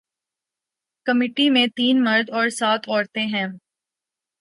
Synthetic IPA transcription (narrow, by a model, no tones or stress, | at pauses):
kɐmeːʈimẽt̪iːnmɐɾd̪ɔːɾsaːt̪ʰɔːɾt̪eɦɛ̃ː